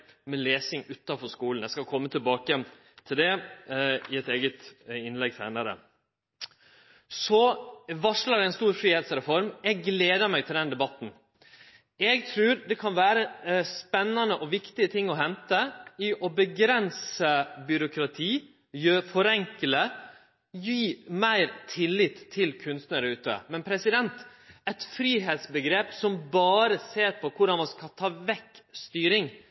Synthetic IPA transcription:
mɛleːsɪŋʉːt̪ːɑfɔʂkuːln̩æɪskɑlkʰɔmːət̪ʰɪlbɑːkəjɛn | t̪ʰɪld̪ɛ | ɪɛt̪eːɡət̪ɪnlɛɡ̚sʰæ̰ːnɑɾə̰ | sɔʋɑʂlɑɾæɪnst̪uːɾfɾiːheːt̪sɾɛfɔɾmɛɡːleːd̪əmæɡt̪ʰɪld̪ɛnd̪ɛbɑt̪n̩ | ɛɡt̪ʰɾʉːɾd̪ɛkʰɑnʋæːɾəspɛnːɑnəʔɔʋɪkt̪ɪət̪ʰɪŋːɔɦɛnt̪əɪʔɔbəɡɾɛnsəbʏɾʊkʰɾɑt̪ʰiː | jøːfɔɾɛŋkələ | jyːmæɪɾt̪ʰɪlːɪt̪ʰːɪlkʰʉnst̪nəɾəʉːt̪ə̰mɛnpʰɾɛsɪd̪ɛnt̪ɛt̪fɾiːɦeːt̪sbəɡɾeːpsɔmbɑːɾəseːɾpʰɔkʰʊɖɑnʋɔskʰɑt̪ʰɑːʋɛkːst̪yːɾɪŋ

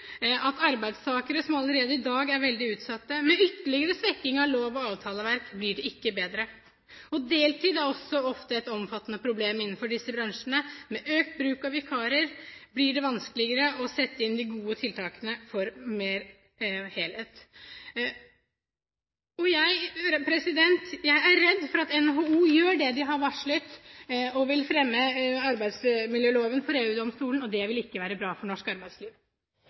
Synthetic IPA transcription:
ɑt̪ɑɾbæɪd̪st̪ʰɑːkəɾəsɔmɑləɾeːd̪əɪd̪ɑːɡæɾʋɛld̪ɪʉːt̪sɑt̪ːəmɛʏt̪ːəɭɪɡəɾəsʋɛkːɪŋɑʋloːʋɔɑːʋt̪ʰɑːləʋæɾkblɪɖɛɪkːəbeːd̪ɾə | ɔd̪eːlt̪ʰiːd̪æɾɔsːɔɔft̪əɛt̪ɔmfɑt̪ːənəpʰɾʊbleːmɪnːn̩fɔɖɪsːəbɾɑŋʂnəmɛʔøːk̚t̪̚bɾʉːkɑʋɪkʰɑːɾəɾblɪɖɛʋɑnskəlɪɡəɾəʔɔsɛt̪ːəɪnd̪ɪɡuːət̪ʰɪlt̪ʰɑːkənəfɔɾmeːɾ | heːlheːt̪ | ɔjæɪpʰɾɛsɪd̪ɛnt̪jæɪæɾːɛd̪ːfɔɾɑt̪ɛnɦouːjøːɖɛd̪ɪɦɑɾʋɑʂɭət̪ɔʋɪlfɾɛmːəɑɾbæɪd̪smɪljøːloːʋənfɔɾeːʉːd̪ɔmst̪uːlən̩ɔd̪ɛʋɪlɪkːəʋæːɾəbɾɑːfɔɳɔʂkɑɾbæɪsliːʋ

